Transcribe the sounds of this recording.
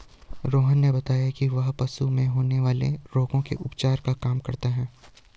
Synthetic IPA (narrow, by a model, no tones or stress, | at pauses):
ɾoːɦənːebɐt̪aːjakiʋɐɦpɐsumẽɦoːneʋaːlḛɾoːɡõkḛʔʊpt͡ʃaːɾkakaːmkɐɾt̪aɦɛː